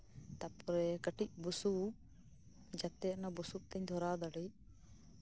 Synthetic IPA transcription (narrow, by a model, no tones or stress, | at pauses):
t̪apɔɾɛkəʈic̚busu | d͡ʒat̪ɛnabusup̚t̪ɛɲd̪ʱɔɾad̪aɽi